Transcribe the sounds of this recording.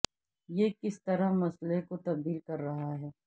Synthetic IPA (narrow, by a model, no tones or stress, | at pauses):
jekɪst̪ɐɾamɐslekot̪ɐb̚d̪iːlkɐɾːɐɦaɦɛː